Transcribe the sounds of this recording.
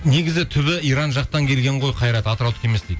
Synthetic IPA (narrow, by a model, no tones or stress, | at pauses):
ne̞ɡʲɪzɪt̪ʰʏβɪijɾɑnʒɑqt̪ɑŋkʲʰe̞lɡʲe̞ɴʁo̞jqʰɑjɾɑt̪ɑt̪əɾɑlˠt̪ʰə̥kʰe̞me̞sd̪ejd̪